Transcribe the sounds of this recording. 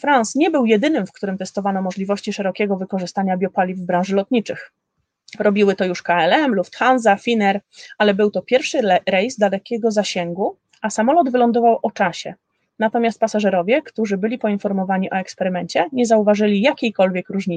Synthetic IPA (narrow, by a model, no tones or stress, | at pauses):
fɾansɲɛbɘwjɛd̪ɘnɘmfkt̪uɾɘmt̪ɛst̪ɔvanɔmɔʐlʲivɔɕt͡ɕiʂɛɾɔkʲɛɡɔvɘkɔʐɘst̪aɲabʲjɔpalʲivːbɾãw̃ʐɘlɔt̪̚ɲit͡ʂɘx | ɾɔbʲiwɘt̪ɔjuʂkaɛlɛmlupt̪xanzafʲinɛɾalɛbɘwt̪ɔpʲjɛɾfʂɘɾɛjzd̪alɛkʲɛɡɔzaɕɛŋɡu | ʔasamɔlɔd̪vɘlɔnd̪ɔvawʔɔt͡ʂaɕɛ | nat̪ɔmʲjast̪̚pasaʐɛɾɔvʲjɛkt̪uʐɘbɘlʲipɔinfɔɾmɔvaɲiʔɔɛkspɛɾɘmɛɲt͡ɕɛɲɛzauvaʐɘlʲijakʲejkɔlvʲjɛkɾuʐɲi